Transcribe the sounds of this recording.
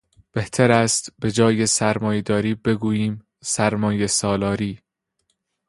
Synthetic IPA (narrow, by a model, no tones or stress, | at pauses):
b̥e̞ht̪ʰæɾæːst̪be̞d͡ʒɒːje̞sæɾmɒːjed̪ɒːɾiːbe̞ɡuːjiːm | sæɾmɒːje̞sɒːlɒːɾiː